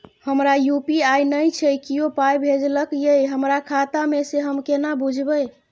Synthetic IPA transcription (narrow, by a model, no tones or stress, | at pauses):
həmɾajupiajnəjt͡ʃʰɛjkijopajbʱed͡ʒləkjejɦəmɾakʰat̪ameseɦəmkenabud͡ʒʱbəj